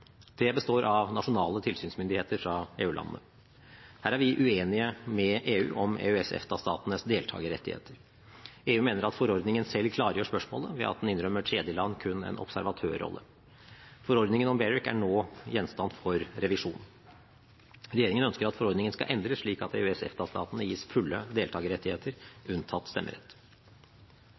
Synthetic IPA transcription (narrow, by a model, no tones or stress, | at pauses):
d̪ʰeːbəst̪oːɾʔɑʋnɑʂʊnɑːlət̪ʰɪlsyːnsmʏnd̪ɪheːt̪əɾfɾɑeːʉːlɑ̰nənə̰ | hæːɾæɾʋɪʔʉeːnɪəmɛʔeːʉ̰ːʔɔmḛːʉɛsɛ̰ft̪ɑst̪ɑ̰ːt̪ənəsd̪eːlt̪ʰɑ̰ːɡəɾɛ̰t̪ːɪhḛːt̪ʰəɾ | eːʉːmeːnəɾɑt̪fɔɾɔɾd̪nɪŋənsɛlːkʰlɑːɾəjøːʂpœʂmo̰ːləʋɛ̰ʔɑ̰t̪̚d̪ɛnɪnɾœmːəʈʰɾeːd̪jəlɑnːkʰʉnːɛ̰nʔɔ̰psæɾʋɑt̪ʰø̰ːɾːɔ̰lːə̰ | fɔɾɔɾd̪nɪŋənɔmbɛɹɪkæ̰ɳoːjɛnst̪ɑnfɔɾɾɛʋɪʂuːn | ɾɛjeːɾɪŋənœnskəɾɑt̪fɔɾɔɾd̪nɪŋənskɑ̰ʔɛnd̪ɾəʂɭiːkɑt̪ḛʉɛsɛ̰ft̪ɑst̪ɑ̰ːt̪ənəjiːsfʉlːəd̪eːlt̪ɑːɡəɾɛt̪ːɪheːt̪əɾʉnt̪ʰɑt̪ːst̪ɛmːə̰ɾɛt̪ː